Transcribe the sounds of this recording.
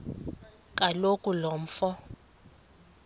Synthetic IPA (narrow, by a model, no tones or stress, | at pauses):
kʼalokʼulɔm̩fɔ